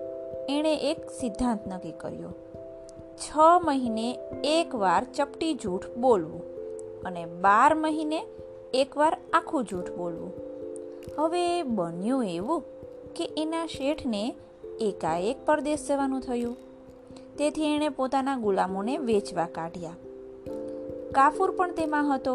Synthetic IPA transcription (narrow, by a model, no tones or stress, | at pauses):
eɽ̃eʔeksɪd̪ʱːãnt̪nəkikə̰ɾjo̰ | t͡ʃʰəməɦineːkʋaɾt͡ʃəpʈid͡ʒuʈʰbolʋũənebaɾməɦineː | kʋaɾakʰũd͡ʒuʈʰbolʋṵ̃ | həʋebənjũeʋũkeʔenaʃeʈʰneː | kaek̚pəɾd̪esd͡ʒəʋanũt̪ʰəjũ | t̪et̪ʰieɽ̃epot̪anaɡulamoneʋet͡ʃʋakaʈja | kafuɾpəɳt̪emãɦət̪o